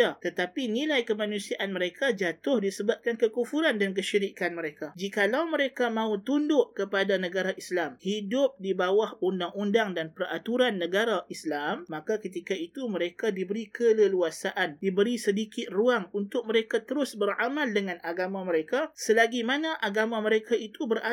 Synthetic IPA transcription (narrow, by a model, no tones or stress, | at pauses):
at̪ət̪apinĩlajkəmãnũsiaʔanməɾekad͡ʒat̪ʊhdisəbap̚kankəkufuɾandank̬əʃiɾikanməɾekad͡ʒikalawməɾekamãut̪undʊʔkəpadanəɡaɾaʔislamhidʊp̚dibawahundaŋundaŋdanpərat̪uɾanːəɡaɾaʔislamːakakət̪ikaik̪uməɾekadibəɾikʰələluasaʔandibəɾisədikɪt̪̚ruaŋunt̪ʊk̚məɾekat̪əɾʊsbəramãldəŋãnʔaɡamãməɾekasəlaɡimanãʔaɡamãməɾekaʔit̪ubəɾa